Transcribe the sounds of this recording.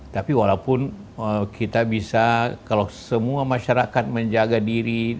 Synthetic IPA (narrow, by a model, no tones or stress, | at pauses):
t̪apiwalaupʊn | əkʰit̪abisakalawsəmuamaʃaɾakat̪̚məɲd͡ʒaɡadiɾi